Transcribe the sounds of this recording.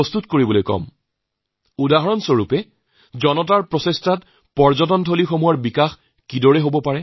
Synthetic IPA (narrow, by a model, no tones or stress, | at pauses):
ɔst̪utkoɹibɔlojkɔ̰m | udaɦɔɹɔnsɔɹupɛ | zɔnɔt̬aɹpɹɔsestat | pɔɹzɔtɔntʰolixomuɔɹbikax | kidɔɹɛɦobɔpaɹɛ